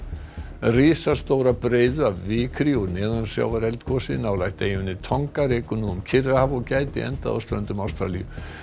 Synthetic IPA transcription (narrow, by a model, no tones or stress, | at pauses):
riːsast̪oːwɾapɾeːjðʏavːɪːkʰɾiɔɣnɛːðansja̰wvaɾɛlt̪kʰɔsɪnaːwlajht̪ejvʏnːɪt̪ʰɔŋkarɪːkʏnuʏmcʰɪrɪhavɔɣcaːjt̪ɪ̰ɛ̰nt̪a̰ða̰wst̪ɾœnt̪ʏmawst̪ɾa̰liʏ̰